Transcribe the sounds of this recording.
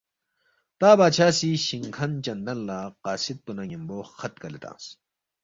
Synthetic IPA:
t̪aːbaːɕʰaːsiɕiŋkʰɐnt͡ɕɐnd̪ɐnlaːqaːsit̪̚punɐŋimboːxɐt̪̚kɐlet̪ã̰ːs

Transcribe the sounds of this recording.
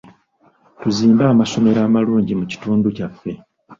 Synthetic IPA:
tuziːmbaːmaso̞me̞ɾaːmaluːɲɟimuci̥tuːnducafːe̞

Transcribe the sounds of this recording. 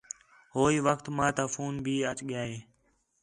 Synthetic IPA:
ɦoːiːʋəkt̪mãːt̪aːfuːnbʱiːət͡ʃɠɪjaːɦeː

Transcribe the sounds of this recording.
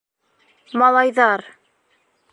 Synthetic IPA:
mɑlˠɑjðɑɾ

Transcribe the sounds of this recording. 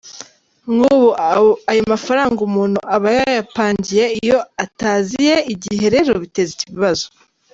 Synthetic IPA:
ŋɡuβuajomafaɾaːŋɡumuːnhuʔaβajajapaːɲɟije̞ijo̞ataːzijeiɟihe̞ɾe̞ɾoβite̞ziciβiβazo

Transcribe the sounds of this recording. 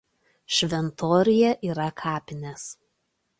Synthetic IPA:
ʃʲʋʲɛnt̪oːɾʲɪjɛʔiːɾɐkʰɑːpʲɪnʲes

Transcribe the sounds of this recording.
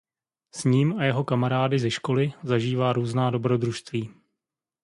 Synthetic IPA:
sɲiːmajɛɦo̞kamaɾaːdɪzɛʃko̞lɪzaʒiːvaːɾuːznaːdo̞bɾo̞d̪ɾuʃst̪viː

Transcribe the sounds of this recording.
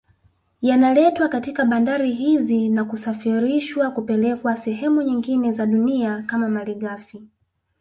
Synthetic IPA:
janalɛtwakatikaɓandaɾiɦizinakusafiɾiʃwakupɛlɛkwasɛɦɛmuɲiŋɡinɛzaɗuniakamamaliɠafi

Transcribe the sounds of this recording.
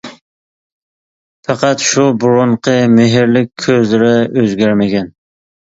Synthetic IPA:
fɑqɑt̪ʃubʊɾoɴqʰɨmeɦɪɾlɪkʲʰːɵzlɪɾɪøzɡʲæɾmɪɡʲæn

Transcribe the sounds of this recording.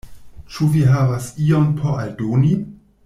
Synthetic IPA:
t͡ʃuviɦavasiompʰo̞ʔaldoni

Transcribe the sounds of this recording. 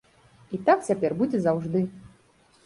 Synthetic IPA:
it̪ak̚t͡sʲapʲɛrbud͡zʲɛzawʐd̪ɨ

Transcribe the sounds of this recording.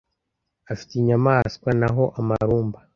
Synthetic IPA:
afi̥tiɲamaːskwanaɦo̞ʔamaɾuːmba

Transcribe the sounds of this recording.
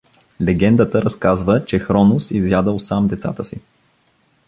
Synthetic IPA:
lɛɡɛnd̪ət̪əɾɐskazvət͡ʃɛxɾɔnʊsizjad̪əlˠsamd̪ɛt̪sa̰t̪əsḭ

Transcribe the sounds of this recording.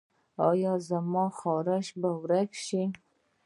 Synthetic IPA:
ɑjɑzamɑxɑɾɪʃbawɾakʃi

